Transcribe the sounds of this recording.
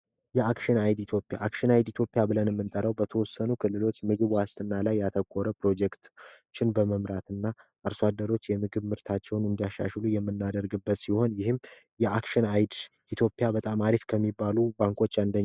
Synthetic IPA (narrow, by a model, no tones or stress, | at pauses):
jɛakʃɪnajd̪it̪ʰjo̞pʼːja̰ʔakʃɨnajd̪it̪ʰjo̞pʼːijabɨlənɛmːɨnt̪ʼəɾəwbət̪ʰəwɔsːənukʰɨlːɨlo̞t͡ʃːmɨɡɨβwast̪ʼɨnːalajːat̪ʰəkʼːoɾəpɾo̞d͡ʒɛkt̪ | t͡ʃːɪnbəməmɾat̪ɨnːaʔːɾswad̪ːəɾo̞t͡ʃːjɛmɨɡɨβmɨɾt̪ʰat͡ʃːɛwnɨnd̪ijaʃːa̰ʃlujɛmːɨnːad̪əɾɡɨbːət̪siho̞njɪhɨm | jɛakʃɪnajd̪ | it̪ʰjo̞pʼːjabət̪ʼamaɾifkʰəmːibːalubaŋkʰo̞t͡ʃːand̪əɲː